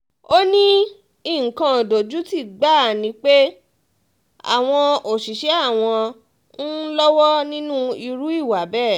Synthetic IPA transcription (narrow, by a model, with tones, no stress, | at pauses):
o˦nĩ˦ | i˦˨ŋ̩˨kã˧o˨do˨d͡ʒu˦ti˦˨ɡ͡ba˦˨nĩ˨˧˦k͡pe˦ | a̰˦˨w̃ɔ̃˧o˨ʃi˨ʃɛ˨˦a˦˨w̃ɔ̃˧ | n̩˦lɔ˦wɔ˦nĩ˦nũ˦i˧ɾu˨˦i˦˨wa˨˦bɛ˦˨